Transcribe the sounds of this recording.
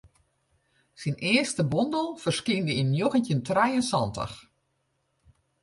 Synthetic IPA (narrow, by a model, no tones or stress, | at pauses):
sinɪəstəbɔndəlˠfərskindəinjoɣəntəntrɛjənsɔntə̰x